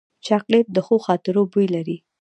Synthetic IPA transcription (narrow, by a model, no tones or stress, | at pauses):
t͡ʃaklet̪̚d̪əxoxɑt̪ɪɾobujlaɾi